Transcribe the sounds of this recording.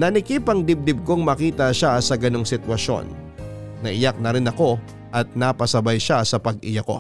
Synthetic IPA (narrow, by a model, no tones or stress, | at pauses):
nɐnɪkipɐŋd̪ɪb̚d̪ɪb̚koŋmɐkiːt̪ɐʃasɐɡɐno̞ŋsɪt̪wɐʃo̞̰nː | ɐʔɪjak̚nɐɾɪnɐko̞ | ʔɐt̪̚nɐpɐsɐbajʃasɐpɐɡɪjɐko̞̰